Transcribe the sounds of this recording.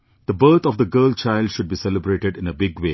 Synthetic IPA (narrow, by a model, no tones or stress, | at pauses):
d̪̥əbəɾt̪ʰɔfd̪əɡɜəːlt͡ʃaɪlɖʃʊɖ̚biːsɛləbɾeːʈɪɖɪ̃nəbɪɡʋeː